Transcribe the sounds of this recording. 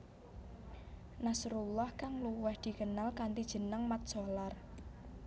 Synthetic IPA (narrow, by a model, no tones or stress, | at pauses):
nasuɾulːɔhkaŋluwɛhd̪̥i̤kənalkant̪id̥ʒ̥ə̤nəŋmat̪̚solar